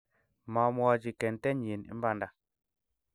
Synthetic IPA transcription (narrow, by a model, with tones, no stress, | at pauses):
ma˨m˦ɔ˦d͡ʒi˨kɛ˨ntɛ˦ɲ˨je˨nḭ˦mba˦˨nda˨